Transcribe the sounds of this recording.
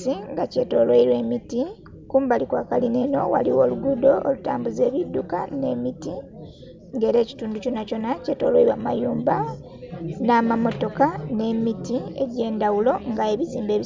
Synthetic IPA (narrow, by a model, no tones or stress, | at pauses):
iŋɡace̞to̞lweiɾwe̞miti | kuːmbalikwaːkalineno̞̰wa̰liwo̞ːluɡudo̞oluta̰ːmbuze̞ːβidːuka̰ne̞miti | ŋɡe̞ɾe̞ːci̥tuːnduconaco̞naceto̞ːlweiɾwaːmajuːmba | naːmamo̞to̞kane̞mitie̞̰ɾe̞ːndawulo̞ŋɡae̞βiziːmbe̞ːβi